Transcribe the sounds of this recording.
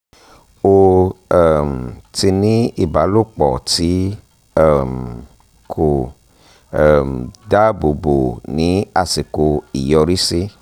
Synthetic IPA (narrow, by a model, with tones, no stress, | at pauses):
o˧ɛ˨mti˧nĩ˦i˦˨ba˨˦lu˦˨k͡pɔ˨ti˨˦ | ɛ˦˨m | kʰo˨ | mda˦bo˨bo˨nĩ˨˦a˦˨si˨ko˧i˨jɔ˧ɾi˦si˦